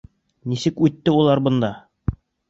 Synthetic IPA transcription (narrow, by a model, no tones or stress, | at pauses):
nisɘkʉt̪ːɘulˠɑɾbɤ̆nd̪ɑ